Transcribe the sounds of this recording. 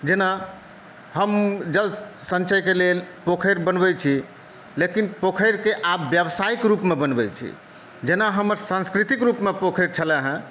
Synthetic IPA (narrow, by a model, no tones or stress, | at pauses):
d͡ʒena | ɦəmd͡ʒəlsə̃nt͡ʃəjkelelpokʰəɾbənbɛt͡ʃʰi | lekinpokʰəɾkeʔabːjəbsaikɾupmebənbɛt͡ʃʰḭ | d͡ʒenaɦəməɾsãnskɾit̪ikɾupmepokʰəɾt͡ʃʰəlɛɦə̃